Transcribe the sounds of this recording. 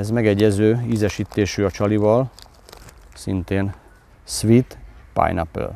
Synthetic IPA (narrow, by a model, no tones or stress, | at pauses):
ɛzmɛɡɛɟːɛzøːizɛʃit̪ːeːʃyːɒt͡ʃɒlivɒl | sḭnt̪eːn | sʋit̪pa̰jnɒ̰pɛ̰l